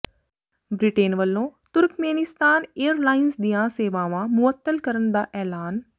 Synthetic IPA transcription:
bɾiʈeːnʋəlːõt̪ʊɾkmeːnɪst̪aːneːəɾlaːɪnsd̪ijãseːʋaːʋãmʊət̪ːəlkɐɾənd̪aːʔɛːlaːn

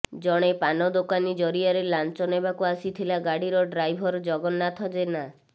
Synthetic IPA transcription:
d͡ʒɔɽ̃epanɔd̪okanid͡ʒɔɾiaɾelant͡ʃɔnebakuasit̪ʰilaɡaɽiɾɔɖɾajbʱɔɾd͡ʒɔɡɔnːat̪ʰɔd͡ʒena

